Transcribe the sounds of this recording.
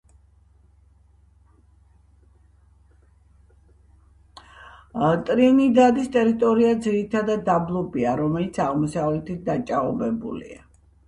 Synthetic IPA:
t̪ʼɾinid̪ad̪ist̪ʼɛɾit̪ʼɔɾiad̪ziɾit̪ʰad̪ad̪ːablˠɔbiaɾɔmɛlit̪sʰaʁmɔsavlɛt̪ʰit̪̚d̪at͡ʃʼaɔbɛbṵlḭa

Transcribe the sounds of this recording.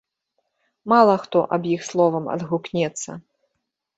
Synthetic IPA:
malˠɐxt̪ɔʔɐbjixslˠɔvɐmɐ̰d̪ɣuknʲɛt̪sːɐ̰

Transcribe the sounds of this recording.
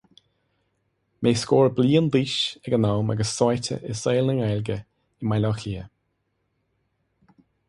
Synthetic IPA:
mʔeːskɔːɹbliːəndiːʃɛɡənawma̰ɡəsːɔjtə̰ʔɪseːlnəŋɛlɡə | ɪmajlɔxliːə

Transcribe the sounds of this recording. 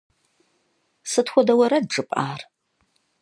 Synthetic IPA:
sɨtxʷɔdɐwɐɾɐd̚ʈ͡ʂʼɨpʼʔaːr

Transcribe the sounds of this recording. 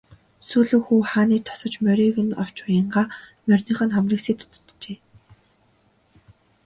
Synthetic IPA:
suːɮɘ̆xuːχaːniːt̪ʰɔ̥sɞ̆t͡ɕmœɾʲiːɣɘ̆nɔ̰w̥t͡ɕpajə̆ɴɢaːmœrʲnĭːχə̆nχamriːkseːt̪ʰt̪t̪t͡ɕeː

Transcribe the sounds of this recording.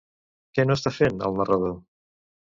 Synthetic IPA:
kɛnoəst̪afenə̰lˠnərəð̞o

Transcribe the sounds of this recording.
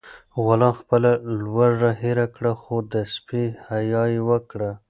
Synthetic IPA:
ɣʊlɑnxpəlalwaʐaɦeɾakɽaxod̪əspihajɑjewəkɽa

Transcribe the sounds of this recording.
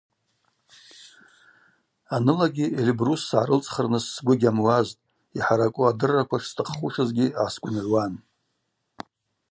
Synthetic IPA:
anɨlaɡʲielibrusːʕaɾɨlt͡sʼχərnɨsːɡʷʊɡʲamwaztʼ | iħaɾakʷʼʊadɨrːakʷʰaʂstʰʼɨχχuʂɨzɡʲɪʕaskʷʼʊnʕʷwan

